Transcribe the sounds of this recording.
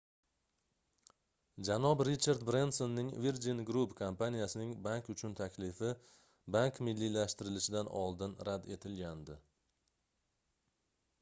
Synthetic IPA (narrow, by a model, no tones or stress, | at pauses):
d͡ʒanɒbɾit͡ʃaɾd̪bɾend̪so̞nːɪŋviɾd͡ʒinɡɾupkʰompanijasɪnɪŋbaŋkʊt͡ʃʰʊnt̪ʰakʲlɪfɪ | baŋkmɪlːilaʃt̪ɪɾɪlɪʃɪd̪anɒlˠd̪ɪnɾad̪e̞t̪ʰɪlɡʲand̪ɪ